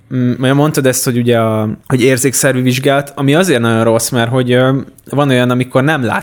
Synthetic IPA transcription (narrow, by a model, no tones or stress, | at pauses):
ojɒmo̞nt̪ɒd̪ɛst̪ho̞ɟuɟɛɒho̞ɟeːrzeːksɛrʋyviʒɡaːlɒt̪ɒmiɒzeːrt̪nɒɟo̞nro̞smɛrɦo̞ɟøvɒno̞jɒnɒmiko̞rnɛmla̰ː